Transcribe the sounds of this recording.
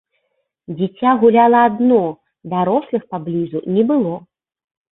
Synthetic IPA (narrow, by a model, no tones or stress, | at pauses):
d͡zʲɛt͡sʲaɣulʲalˠɐad̪nɔ | d̪aɾɔslˠɨxpablʲizunʲɛbɨlˠɔ